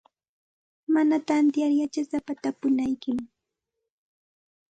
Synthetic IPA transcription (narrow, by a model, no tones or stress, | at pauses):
manat̪ant̪jaɾjat͡ʃasapat̪apʊnajkɪm